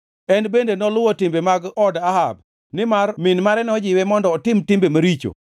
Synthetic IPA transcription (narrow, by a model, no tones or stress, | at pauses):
ɛnbendenɔlʊwɔtɪmbemaɡɔdahab̚ | nɪmarmɪnmaɾɛnɔd͡ʒɪwɛmɔndɔːtɪmtɪmbemaɾit͡ʃo̰